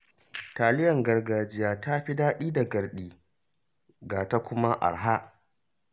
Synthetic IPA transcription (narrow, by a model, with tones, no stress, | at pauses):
taː˨lɪ˦jɐ˨ŋɡɐ˨rɡaː˨d͡ʒɪ˦jaː˦ta˦ɸi˦daː˦ɗiː˦da˨ɡɐ˨rɗiː˦ | ɡaː˨ta˦kʷʊ˦ma˦ʔa̰˨ɽɦa˦ʔ